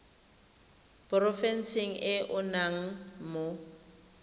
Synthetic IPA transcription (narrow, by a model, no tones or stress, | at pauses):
prɔfɛn̩siŋ̩ʔɪʔʊnaŋ̩mo